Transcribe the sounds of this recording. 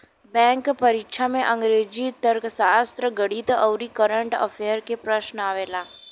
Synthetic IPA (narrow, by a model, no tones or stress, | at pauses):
bɛ̃ŋkpəɾikʃʰamẽʔə̃ŋɡɾed͡ʒit̪əɾksast̪ɾəɡəɽit̪əʋɾikəɾəɳʈə̰feɾkepɾəʃnəaʋela